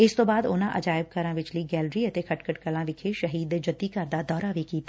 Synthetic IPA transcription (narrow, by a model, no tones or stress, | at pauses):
ɪst̪obaːd̪oːnãʔɐ̰d͡ʒaːɪb̚kɐɾãʋɪt͡ʃliɡɛːlɾiɐt̪ekʰɐʈkəʈkəlãʋɪkʰeʃɐɦiːd̪d͡ʒɐd̪ikaɾd̪ad̪ɔːɾaʋikiːt̪ʰː